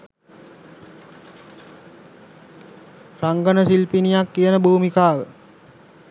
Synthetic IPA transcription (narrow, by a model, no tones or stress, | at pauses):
raŋɡənəsilpinijakːijənəbuːmikaːʋə